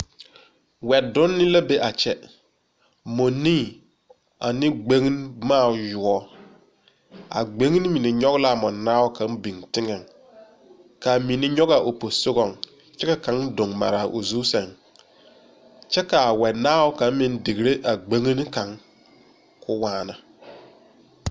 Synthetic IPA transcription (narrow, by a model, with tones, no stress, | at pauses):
wɛ˨dʊ˦nːɪ˦la˦be˦ʔa˨t͡ʃɛ˨ | mo˨nĩː˦ | a˨nɪ˦ɡ͡be˦ŋ˦n˦maː˦˨jʊ˨ɔ˦ | a̰˨ɡ͡be˦ŋ˦n˦mi˨nɪ˨ɲɔ˦ɣla˦˨mɔ˨naː˦wɔ˦kã˨˦ŋbi˨ŋtɪ˦ŋɛ˨ŋ | ka˨mi˨nɪ˦ɲɔ˦ɣa˨ʔo˨po˨sʊ˦ɣɔ˦˨ŋ | t͡ʃɛ˦ka˨ka˨˦ŋdʊ˨ŋma̰˨ɾa˨ʔo˨zu˦sɛ˨ŋ | t͡ʃɛ˦ka˨a˨wɛ˨naː˦wɔ˦kã˨˦m˦mɪ˦ndɪ˨ɡɾe˦ʔa˨ɡ͡be˦ŋi˦n˦ka˨ŋ | kʰʊ˦waː˦˨na˨